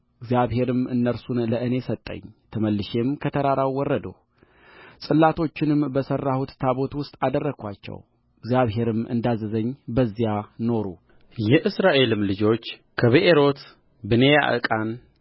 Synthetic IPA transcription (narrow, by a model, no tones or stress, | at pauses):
ɨɡzijaβɦe̞ɾɨmɨnːəɾsunləʔɨne̞sət̪ʼːə̰ɲːt̪ʰəməlːɨʃe̞mkʰət̪ʰəɾaɾawwːɔrːəd̪ə̰ | sʼɨlːat̪ʰo̞t͡ʃːɪnɨmbəsərːahut̪t̪ʰaβo̞t̪wʊst̪ʼad̪ərːəɡʰʷa̰t͡ʃːɛ̰w | ɨɡzjaβɦe̞ɾɨmʔɨ̰nd̪azːəzəɲːbəzːijano̞ɾṵ | jɛʔɨsɾaʔe̞lɨmlɨd͡ʒo̞t͡ʃː | kʰəβeʔeɾo̞t̪ | bɨneja̰ʔɨ̰kʼan